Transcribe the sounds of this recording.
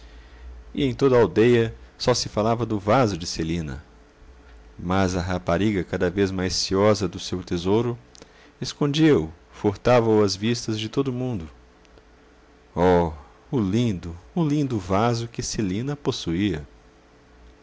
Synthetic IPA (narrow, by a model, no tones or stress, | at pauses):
ɪẽj̃t̪od̪ɐawd̪ejɐsɔsɪfalavɐd̪ʊvazʊd͡ʒɪselĩnɐ̰ | mɐzɐɦapaɾiɡɐkad̪ɐvezmajssiɔzɐd̪ʊsewt̪ezowɾʊ | eskõd͡ʒiɐʊ | foɾt̪avɐʊɐzvist̪ɐzd͡ʒɪt̪od̪ʊmũnd̪ʊ | ɔ | ʊlĩd̪ʊʊlĩnd̪ʊvazʊkɪselĩnɐposuiɐ